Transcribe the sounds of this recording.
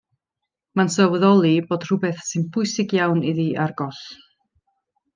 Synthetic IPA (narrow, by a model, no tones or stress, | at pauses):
mansəwðɔlˠiboːd̥r̥ʊbɛθsɨnpʰʊɨsɪɡjawniðiarɡɔɬ